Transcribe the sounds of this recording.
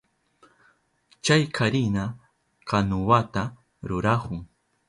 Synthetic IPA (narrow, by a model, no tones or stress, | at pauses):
t͡ʃajkʰaɾɪna | kanʊwat̪a | ɾʊɾahʊŋ